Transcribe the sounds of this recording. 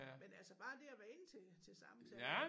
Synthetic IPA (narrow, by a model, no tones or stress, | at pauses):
menælsəb̥ɑ̈ːd̥e̝æʋæɐe̝nt͡sʰe̝t͡sʰe̝lsɑ̈mt͡sʰɛ